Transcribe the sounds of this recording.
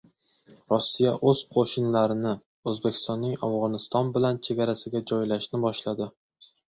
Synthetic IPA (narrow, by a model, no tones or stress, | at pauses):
ɾɒsːijaʔɵz̥qʰoʃɪnlaɾɪnɪ | ɵzbekʲʰɪ̥st̪ɒnːɪŋa̰fʁɒnɪst̪ɒnbɪlant͡ʃʰe̞ɡʲaɾasɪɡʲad͡ʒɒjlaʃnɪbɒʃlad̪ɪ